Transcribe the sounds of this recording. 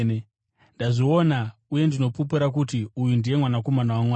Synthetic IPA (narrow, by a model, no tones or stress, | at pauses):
ndaʐionauje̞ndino̞pupeɾak̬utiujundije̞mwanako̞manawamwaː